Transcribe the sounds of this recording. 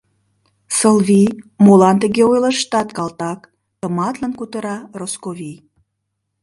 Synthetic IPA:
səlβimolɑnt̪ə̆ɣeojlə̆ʃt̪ɑt̪̚kɑlt̪ɑk | t̪ə̆mɑt̪lənkut̪əɾɑroskovʲij

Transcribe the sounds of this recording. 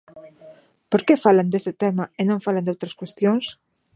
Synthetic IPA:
poɾkefaland̪est̪ɪt̪ɛmaenõŋfalãnd̪owt̪ɾɐskwest̪joŋs

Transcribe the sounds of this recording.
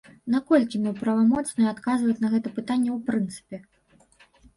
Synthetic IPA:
nakɔlʲkʲimʲɛpɾɐvamɔt̪snɨjat̪kazvɐjut͡sʲnɐɣɛt̪ɐpɨt̪anʲːɛwpɾɨnt̪sɨ̥pʲɛ

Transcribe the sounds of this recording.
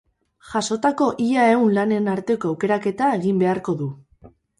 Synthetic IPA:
ʝaso̞t̪ako̞ʔiʎae̞unlane̞naɾt̪e̞ko̞awke̞ɾake̞t̪ae̞ɣimbe̞aɾko̞ðu

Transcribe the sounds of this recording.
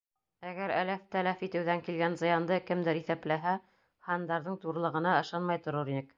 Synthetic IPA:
æɡæɾæ̰læft̪ælæfit̪ɘ̆wðæŋkilɡænzɤ̆jɑnd̪ɤkɘ̆md̪ɘɾiθæplæɦæ | hɑnd̪ɑɾðɤɴt̪uɾlˠɤ̆ʁɤ̆nɑɤ̆ʃɑnmɑjt̪ŏɾoɾinɘk

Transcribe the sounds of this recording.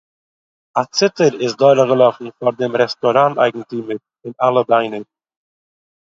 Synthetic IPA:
at͡sɪtəɾɪsdɔɪɾəɡəlˠɔfn̩faɾdɪmɾɛstɔɾanta̰ɪɡŋ̩timəɾ | ɪnalˠəbaɪnə

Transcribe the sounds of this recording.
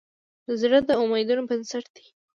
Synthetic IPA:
əzɽəd̪əʊmajd̪unobənsaʈd̪i

